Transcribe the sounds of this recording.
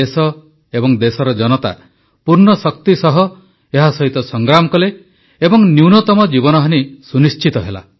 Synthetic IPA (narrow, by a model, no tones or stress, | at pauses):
esɔ | ebɔŋd̪esɔɾɔd͡ʒɔnɔt̪a̰ | puɾnɔsɔk̚t̪isɔɦɔ | eɦasɔɦit̪ɔsɔŋɡɾamɔkɔle | ebɔŋnjuwnɔt̪ɔmɔd͡ʒibɔnɔɦanisunist͡ʃit̪ɔɦela̰